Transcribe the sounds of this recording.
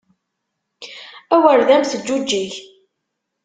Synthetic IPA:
æwəɾðæmθəd͡ʒːud͡ʒːiç

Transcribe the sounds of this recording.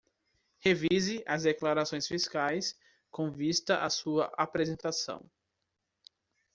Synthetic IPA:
hevizɪʔazd̪eklaɾasõj̃sfiskajs | kõvist̪ɐʔasuɐʔapɾezẽnt̪asɐ̰̃w̃

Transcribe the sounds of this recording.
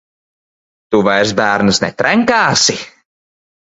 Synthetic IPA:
t̪uvajɾs̬bæːɾnɨsnɛ̰t̪ɾɛŋkaːsi

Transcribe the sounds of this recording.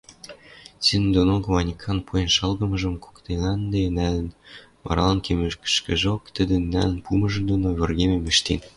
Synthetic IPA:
t͡sinnd̪onokmɑnʲikʰɑnpʰujenʃɑlɣɤ̆mɤ̆ʒə̆mko̥kt̪enɑnd̪enælə̆n | mɑ̰ɾɑlɑnkʰemøʃkə̥ʃkɘ̆ʒokt̪ə̆d̪ə̆nːæ̰lə̆npʰumɤ̆ʒɤ̆nd̪onoβĕrɣememeʃt̪en

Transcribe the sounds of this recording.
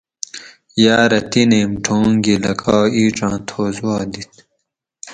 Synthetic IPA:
jaːɾɐt̪ineːmʈʰoːŋɡilɐkʰaːiːʈ͡ʂãːt̪ʰoːzuaːd̪it̪

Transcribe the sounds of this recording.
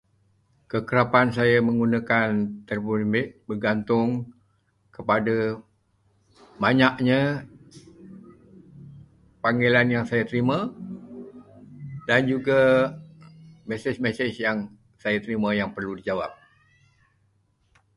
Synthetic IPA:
kəkəɾapansajaməŋɡunakant̪ərbbərɡant̪ʊŋ | kəpada | baɲaʔɲə | paŋɡelanjaŋsajat̪əɾimã | dand͡ʒuɡa | mɛsɪsmɛsɪsjaŋ | sajat̪əɾimajaŋpərludid͡ʒawa̰p̚

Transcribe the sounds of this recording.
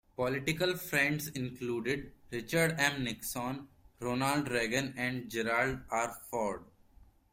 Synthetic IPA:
pɔlɪʈɪkəlfɾɛ̃ɳɖsɪ̃nkluːɖɪɖɾɪt͡ʃəɾɖɛ̃mnɪksɔ̃nɾoːnaːlɖɾeːɡə̃nɛ̃ɳɖd͡ʒɛɾaːlɖaːɾfɔːɾɖ

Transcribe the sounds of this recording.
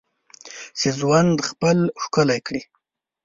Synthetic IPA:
sezwand̪xpəlxkəlajkɽi

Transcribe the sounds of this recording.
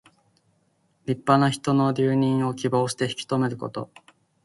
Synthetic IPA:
ɾʲipːanaçi̥t̪o̞no̞ɾʲɨːɲ̟ĩɰ̃o̞kʲibo̞ːɕi̥t̪e̞çi̥kʲi̥t̪ome̞ɾɯ̟ko̞̰t̪o̞̰

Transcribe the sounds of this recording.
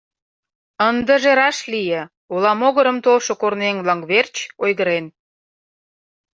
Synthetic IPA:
ənd̪əʒeɾɑʃlijĕ | ulɑmoɣəɾəmt̪olʃokorneŋβlɑŋβert͡ɕojɣəɾen

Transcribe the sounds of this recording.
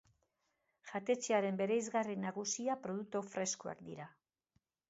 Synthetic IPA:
ʝat̪e̞t͡ʃeaɾe̞mbe̞ɾejzɣarinaɣusiapɾo̞ð̞uk̚t̪ofɾe̞skoa̰kd̪ḭɾa

